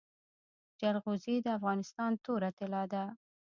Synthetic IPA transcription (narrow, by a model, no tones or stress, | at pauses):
d͡ʒalɣuzid̪əafɣɑnɪst̪ɑnt̪oɾat̪ɪlɑd̪a